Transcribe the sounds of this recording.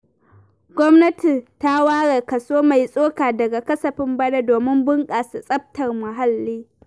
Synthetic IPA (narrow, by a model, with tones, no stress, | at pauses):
ɡʷɔ˦mnɐ˦ti˨ta˦waː˦ɽe˨kɐ˨soː˦ma˨jsʼoː˦kaː˨dɐ˨ɡa˨kɐ˦sɐ˨ɸɪ˦mbɐ˦ɽa˦doː˨mɪ˦mbʊ˦ŋkʼaː˨su˨sʼɐ˦b̚tɐ˨rmʊ˨ɦa˦lːiː˦